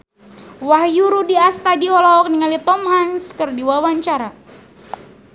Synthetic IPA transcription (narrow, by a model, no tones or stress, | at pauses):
wahjuɾudiast̪adiɔlɔk̚niŋalit̪ɔmɦaŋskɨrdiwawaɲt͡ʃaɾa